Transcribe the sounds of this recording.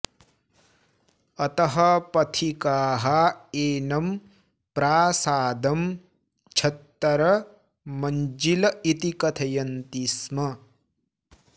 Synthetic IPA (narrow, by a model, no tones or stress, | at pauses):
ɐt̪ɐɦɐpɐt̪ʰikaːɦɐeːnɐm | pɾaːsaːd̪ɐm | t͡ʃʰɐt̪ːɐɾɐ | mɐnd͡ʒilɐit̪ikɐt̪ʰɐjɐnt̪ismɐ